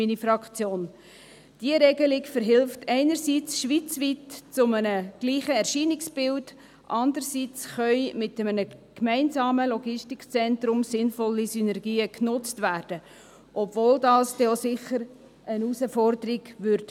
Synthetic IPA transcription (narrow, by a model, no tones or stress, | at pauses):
minifɾɑkt͡sjoːn | d̥iəɾɛɡəlɪɡfəɾɦɪlftʰɛɪnəɾsiːt͡sʃʋit͡sʋiːtt͡sʊmənəɡ̥liːχəɛɾʃiːnɪksb̥ɪlt | ʔɑndəɾsiːt͡sχœʏmɪtəmənəkmɛɪnzɑːməlɔɡɪstikt͡sɛntɾʊmsɪnfɔlːisynɛrɡiːəknʊt͡stʋæːrd̥ə | ʔɔbvoːldɑːsd̥ɛosɪχəɾ | ʔənusəfɔrdəɾiɡ̥ʋʏɾt